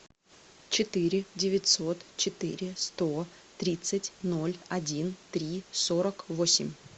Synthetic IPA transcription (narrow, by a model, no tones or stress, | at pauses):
t͡ɕɪt̪ɨɾʲɪdʲɪvʲɪtʲso̞t̪t͡ɕɪt̪ɨ̰ɾʲɪst̪o | t̪ɾʲit̪sɨtʲno̞lʲɐdʲint̪ɾʲiso̞ɾəkvosʲɪ̰mʲ